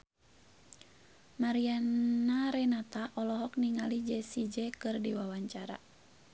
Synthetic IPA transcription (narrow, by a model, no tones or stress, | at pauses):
maɾiannaɾɛnat̪aʔɔlɔɦɔk̚niŋalid͡ʒɛsid͡ʒɛkɨrdiwawaɲt͡ʃaɾa̰